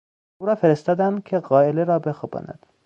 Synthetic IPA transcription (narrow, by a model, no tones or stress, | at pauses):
uːɾɒːfeɾest̪ɒːd̪ænd̪kʲʰeɣɒːeleɾɒːbe̞xobɒ̰ːnæ̰d̪̥